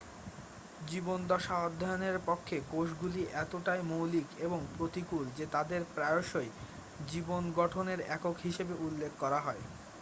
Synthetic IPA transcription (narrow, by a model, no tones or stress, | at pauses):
d͡ʑibond̪ɔʃaɔd̪ʱːajoneɾpɔkʰːekoʃɡuliʔɛt̪oʈaemowlikeboŋpɾot̪ikuld͡ʑet̪ad̪eɾpɾaoʃoe | d͡ʑibonɡɔʈʰoneɾɛkokɦiʃebeʔulːekʰkɔɾaɦɔe